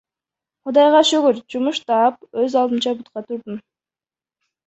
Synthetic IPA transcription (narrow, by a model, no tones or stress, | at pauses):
qʰʊd̪ɑjʁɑʃɵɡyɾd͡ʒumuʃt̪ɑːp̚øzɑlˠd̪ɨnt͡ʃɑbut̪̚qɑt̪ʰuɾd̪um